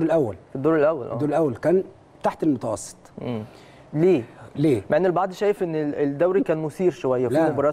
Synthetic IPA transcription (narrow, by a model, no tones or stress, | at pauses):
ɾelʔæwːælfid̪ːoːɾelʔæwːæ̰lʔd̪ːoːɾelʔæwːælkæːn | t̪aħt̪elmot̪ɑwɑsˤːe̥t̪ˤʔm | leːleːmaʕenːelbɑʕd̪ˤʃæːjefʔenːeeld̪ːæwɾikæːnmʊsiːɾʃowæjːæliːmobɑɾˤɑː